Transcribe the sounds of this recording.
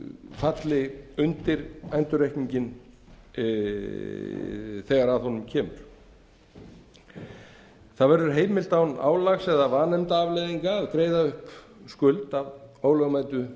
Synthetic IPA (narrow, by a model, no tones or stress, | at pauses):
fat̪lɪʏnt̪ɪɾajnt̪ʏɾejhkniɲcɪn | θɛɣaɾaðhɔnːʏmcʰɛːmʏɾ̥ | θaðvɛɾðʏɾ̥ɦeːjmɪlt̪awna̰ːwlaxsɛðavaːnɛmt̪aavlɛːðiŋkaːðkɾeːjðaʏhp | skʏlt̪avoːwlœɣmaːjt̪ʏ